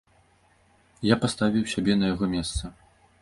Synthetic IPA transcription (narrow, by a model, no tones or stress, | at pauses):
japast̪avʲiwsʲabʲɛnɐjaɣɔmʲɛst̪sɐ